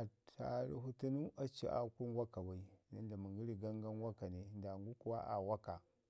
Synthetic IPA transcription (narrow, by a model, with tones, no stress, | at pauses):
a˨ta̰˨ɾḭ˦ɦu˦tu˦nu˦ʔa˦t͡ʃḭ˦ʔa̰˦ku˦nwa˦ka˨wa˨i˨na˦n˦da˨mu˨ŋɡi˦ɾi˨ɡa˦ŋɡa˦nwa˦ka˨ne˨nda˨ŋɡu˦ku˦wa̰˦ʔa̰˨wa˦ka˨